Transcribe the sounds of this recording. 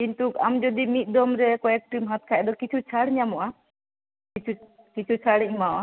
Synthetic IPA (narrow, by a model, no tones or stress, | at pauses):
kint̪ukamd͡ʒɔd̪imit̪̚ˀd̪ɔmɾɛkɔɛk̚ʈɾimɦat̪̚kʰad̪ɔkit͡ʃʰut͡ʃʰaɽɲamɔʔa | kit͡ʃʰu | kit͡ʃʰut͡ʃʰaɽɛɲmaʔa